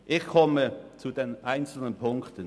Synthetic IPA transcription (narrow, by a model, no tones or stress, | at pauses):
ʔɪçkʰɔmət͡sudeːnʔaɪnt͡sl̩nənpʰʊŋktə